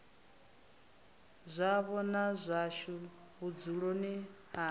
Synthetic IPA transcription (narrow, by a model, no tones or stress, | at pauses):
zʷaβɔnazʷaʃu | βud͡zuɺoniha